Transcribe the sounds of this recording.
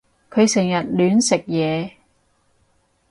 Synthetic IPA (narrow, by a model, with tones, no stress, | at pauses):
kʰɵ˨˧ɥsɪ˨˩ŋjɐ˨t̚lyː˨˧nsɪ˨˩k̚jɛː˨˧